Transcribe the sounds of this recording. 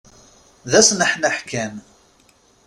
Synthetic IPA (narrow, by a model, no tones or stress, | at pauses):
ðæsnəħnəħkæm